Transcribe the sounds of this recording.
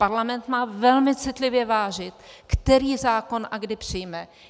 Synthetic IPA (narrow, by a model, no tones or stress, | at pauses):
paɾlamɛnt̪maːvɛlmɪt͡sɪt̪lɪvjɛvaːʒɪt̪kt̪ɛɾiːzaːko̞nʔaɡdɪpr̝̥ɪjmɛ